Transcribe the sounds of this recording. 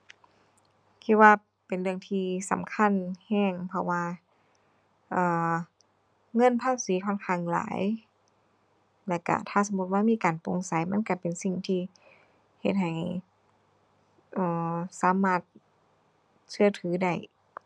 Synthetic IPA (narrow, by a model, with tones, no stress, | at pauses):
kʰi˧t̪̚waː˧ | pe˨nlɯ˧əŋt̪ʰiː˧sa̰˨˦mkʰa˧˥˨nhɛː˧˩ŋpʰɔ˧waː˧ | ʔɤː˨˧˩ | ŋɤ˧˥˨npʰaː˧˥˩p̚siː˨˦kʰɔː˧˥˨nkʰaː˧˩˨ŋla̰ː˨˦j | lɛ˧˩ka̰˧˩t̪ʰaː˧˩˨sa˨˦mu˧t̪̚waː˧miː˧˥˨kaː˨˩npo˨˩ŋsa˨˦jma˧˥˨nka˧˩pe˨˩nsi˧ŋt̪ʰiː˧ | he˧t̪̚ha˨˩j | ʔɤː˧˩saː˨˦maː˧˩t̪̚ | sʰɯ˧ɐt̪ʰɯː˨˦da˧˩j